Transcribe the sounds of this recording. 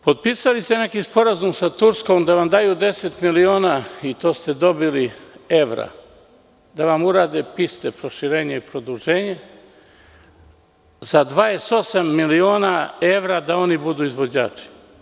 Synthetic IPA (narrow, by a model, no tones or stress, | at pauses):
po̞d̪̚piːsalist̪ene̞kispo̞ɾazumsat̪uɾsko̞md̪aʋamd̪aːjuːd̪e̞se̞t̪milioːnait̪o̞ːst̪e̞d̪o̞bilie̞ʋɾa̰ | d̪aʋamuɾaːd̪eːpist̪epɾo̞ʃiɾe̞ːɲeipɾo̞d̪uʒe̞ːɲe | zad̪ʋaːeso̞samːilio̞ːnae̞ʋɾad̪ao̞nibud̪uːizʋo̞d͡ʑa̰ːt͡ʃi̥